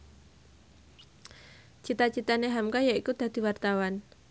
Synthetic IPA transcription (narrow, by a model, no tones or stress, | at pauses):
t͡ʃit̪at͡ʃit̪aneɦamkajaikud̪̥a̤d̪̥i̤wart̪awan